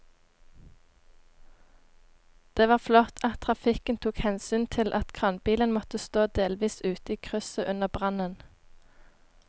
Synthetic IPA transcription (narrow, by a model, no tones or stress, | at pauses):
d̪̥eːʋɑːʁflɔt̪ʰɑt̪ʰʁɑfɪkənt̪ʰuːkhɛnsyːnt̪ʰɪlʔɑt̪kʰʁɑnbiːlənmɔt̪əst̪oːd̪eːlʋiːsʉːt̪əiːkʰʁʉsəʔʉnəʁbʁɑnən